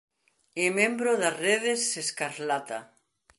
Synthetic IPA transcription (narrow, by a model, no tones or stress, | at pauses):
emẽmbɾoðasreðesːeskaɾlat̪a̰